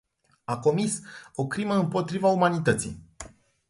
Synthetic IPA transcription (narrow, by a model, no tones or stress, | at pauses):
ako̞miso̞kɾiməɨmpo̞t̪ɾivaumanit̪ət̪sḭ